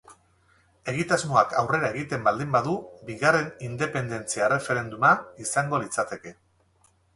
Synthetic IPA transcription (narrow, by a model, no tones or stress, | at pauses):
e̞ɣ̞it̪azmoakawre̞ɾae̞ɣit̪e̞mbald̪imbaðubiɣare̞nind̪e̞pe̞nd̪e̞nt͡siaere̞fe̞ɾe̞nd̪umaisaŋɡo̞lit͡sat̪e̞ke̞